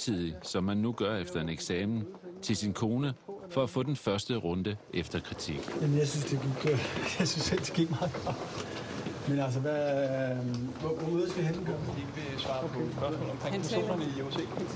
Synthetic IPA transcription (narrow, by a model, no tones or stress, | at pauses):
t͡sʰið̰ˠisɒ̽mːænːuɡ̥ɶɐefd̥ɐe̝neɡ̥sɛːmn̩t͡sʰe̝lsinkʰo̝ːnəfɒ̽æfɔ̰ːd̥enfɶɐsd̥əʁɔ̽nd̥əʔefd̥ɐkʰʁit͡sʰiɡ̥jæmənjɑɪsynsd̥e̝ɡ̥i̥ɡ̥jɑsynsel̰d̥e̥ɡ̥iɡ̥mɑ̈ːɡ̥ɒ̥ | menæls̬əʋæ | ʋʋɒmoðˠsɡ̥hen̥ɡ̥ɶɐ̥ieɡ̥əʋesʋɑ̈ːpʰɔspɶɐsmɔ̰ːlɒmkʰʁɛŋ̥o̰nəjeʊse̥